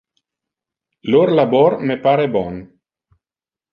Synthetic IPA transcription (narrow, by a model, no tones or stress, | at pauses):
loɾlabɔɾmepaɾebɔn